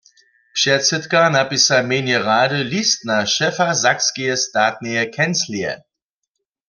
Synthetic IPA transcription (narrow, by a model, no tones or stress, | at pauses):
pʃɛsɛtkanapisamenjɛʁaːdəlistnaʃɛfazakskijəstaːt̚nəjɛkʰɛnsliɛ̰